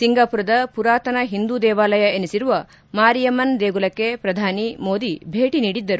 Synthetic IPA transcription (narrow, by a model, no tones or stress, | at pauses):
siŋɡaːpuɾɐd̪ɐpuɾaːt̪ɐnɐɦind̪ud̪ɛːʋaːlɐjɐenisiɾuʋɐ | maːɾijɐmɐnd̪eːɡulɐkːepɾɐd̪ʱaːnimo̞ːd̪ibʱeːʈiniːɽid̪ːɐɾu